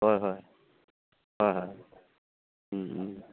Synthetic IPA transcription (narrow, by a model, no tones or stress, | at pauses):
ɦɔjɦɔj | ɦɔjɦɔj